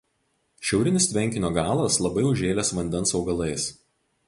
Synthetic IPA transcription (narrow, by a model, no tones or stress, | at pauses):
ʃʲɛʊɾʲɪnʲɪst̪ʲʋʲɛŋʲkʲɪnʲoːɡɑːlˠɐslˠɐbɐɪʊʒʲeːlʲɛsʋɐnʲd̪ʲɛnsɒʊɡɐlˠɐɪs